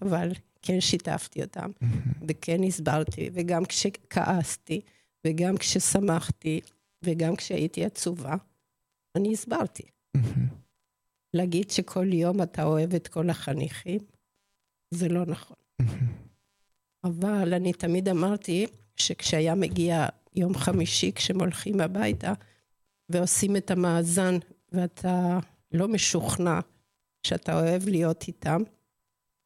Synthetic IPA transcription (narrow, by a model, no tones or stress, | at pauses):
aval | kʰenʃita̰ftio̞̰ta̰mvekʰenisbaʁt̪ḭveɡamkʃekʰa̰ʔasti | veɡamkʃesamaχt̪i | veɡamkʃea̰ʔitiat͡suvaː | niːsbaʁtʰi̥ | leaɡidʃekʰo̞ljo̞matao̞e̞vet̪kʰo̞laχanḭχim | zelo̞naχo̞n̩ | avalanitamid̪amaʁti | ʃekʃeajame̞ɡia | jo̞mχamiʃikʃemo̞lχimabajta | veosimetamaːzan | veatʰa | lo̞me̞ʃuχna | ʃeatao̞e̞vlijo̞tʰitam